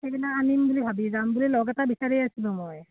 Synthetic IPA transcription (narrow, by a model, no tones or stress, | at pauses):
xejbinaanimbulibʱabizambulilɔɡatabisaɹiasilʊ̃mɔj